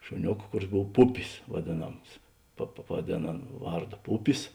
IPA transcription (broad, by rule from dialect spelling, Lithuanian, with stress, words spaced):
ʃʊˈnʲoːk ˈkʊˌrʲɪs ˈboːw ˈpʊpʲɪs ʋɐˈdʲeːˌnɐms pɐ pɐ pɐʋɐˈdʲeːn ˈɐn ˈʋɐrˌdoː ˈpʊpʲɪs